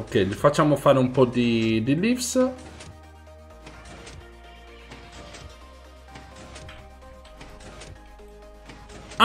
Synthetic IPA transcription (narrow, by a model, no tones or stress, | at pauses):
okːɛjlifat͡ʃːamofaːɾeumpɔd̪id̪ilifs | a